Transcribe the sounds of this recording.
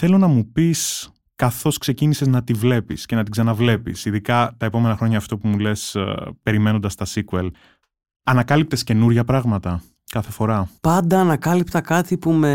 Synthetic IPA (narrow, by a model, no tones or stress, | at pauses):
θe̞lo̞nɐmupis | kɐθo̞skse̞ciniseznɐt̪ivle̞pḭsce̞nɐt̪iksɐnɐvle̞pḭsiðikɐt̪ɐepo̞me̞nɐxɾoɲɐːft̪o̞pumule̞spe̞ɾime̞nond̪ɐst̪ɐsikuḛl | ɐnɐkɐlip̚t̪esce̞nuɾʝɐpɾɐɣmɐt̪ɐ | kɐθe̞fo̞ɾɐpɐnd̪ɐːnɐkɐlipt̪ɐkɐt̪ipume